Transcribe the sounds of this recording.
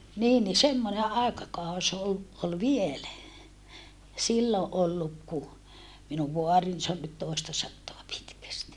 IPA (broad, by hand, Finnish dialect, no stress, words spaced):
niːn ni semːone ɑˑekɑkɑus ol ol ʋielæ silːo ʔolːuk ku minuʋ ʋoɑrin se on nyt toˑestɑsɑtːoɑ pitkæsti